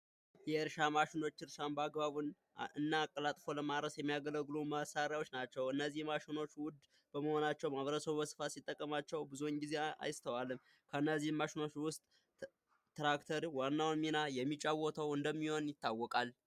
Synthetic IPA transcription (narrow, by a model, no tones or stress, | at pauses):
jɛɨɾʃamaʃɪno̞t͡ʃːɨɾʃanbəaɡbaβun | ɨnːaːkʼːəlat̪ʼfo̞ləmaɾəsjɛmːijaɡələɡlumasaɾjawo̞t͡ʃːnat͡ʃːɛwɨnːəzːihmaʃɪno̞t͡ʃːwʊd̪ | b̥əməho̞nat͡ʃːɛwmaβəɾəsəβubəsɨ̥fasit̪ʼːəkʼːəmat͡ʃːɛwbɨzuɲɡize̞a̰jst̪ʰəwalːɨm | kʰəɨnːəzːihɨmːaʃɪno̞t͡ʃːwʊst̪ʼ | t̪ɾakt̪ʰəɾwanːawnminajɛmːit͡ʃʼːawɔt̪ʰəwɨnd̪əmːiho̞njɪt̪ʰːawːɔkʼal